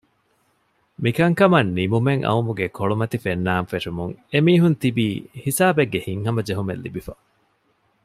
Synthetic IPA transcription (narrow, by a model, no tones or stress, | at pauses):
mikɐŋkɐmɐnːimumeŋʔɐ̰umuɡekʰoɭumɐt̪ifenːaːmfeʂumuŋemiːɦunt̪ibiːhisaːbeɡːehiŋɦɐmɐd͡ʒeɦumḛlːḭbifɐ